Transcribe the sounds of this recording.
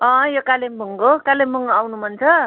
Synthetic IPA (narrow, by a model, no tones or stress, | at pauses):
ʌ̃jokalemuŋɡokalemuŋoawnum̤ʌnt͡sʰʌ